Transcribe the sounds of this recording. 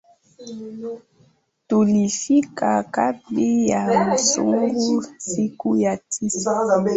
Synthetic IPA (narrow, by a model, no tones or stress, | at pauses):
tolifikakapijamasṵŋɡusikujatʰis